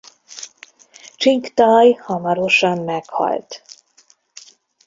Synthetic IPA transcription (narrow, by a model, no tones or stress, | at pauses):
t͡ʃiŋkt̪ɒːjhɒmɒɾo̞ʃɒmːɛkhɒ̰lt̪